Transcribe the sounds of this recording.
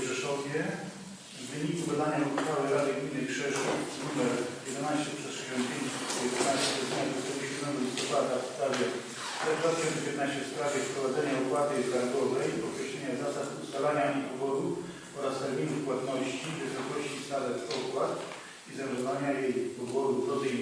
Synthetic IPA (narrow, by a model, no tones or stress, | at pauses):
ʂɛʂɔvʲjɛ | vːɘɲikub̪ad̪aɲaut̪fawɘɾad̪ɨɡmʲinɨpʂɛʂunumɛɾjɛd̪ɛnaɕt͡ɕɛpʂɛsʂɛɕɔnt̪̚pʲjeɲt͡ɕsɛɔjɛd̪ɛnaɕt͡ɕɛɔzɲad̪ɔt̪ɔɡuɕɛd̪mɛɡɔlʲist̪ɔpad̪afspɾavʲjɛ | ɛd̪vat̪ɪ̥ɕɔnɛpʲjɛt̪naɕt͡ɕɛfspɾavʲjɛfpɾɔvad̪zɛɲaukwat̪ɘɡaɾɡɔvɛjpɔt̪kɾɛɕlʲɛɲazasad̪ust̪alaɲapɔvɔd̪u | ɔɾast̪ɛɾmʲinufpwat̪nɔɕt͡ɕivɘsɔkɔɕt͡ɕist̪alɛtɔkwat̪ | izamʐɔvaɲajejpɔvɔd̪upɾɔɛ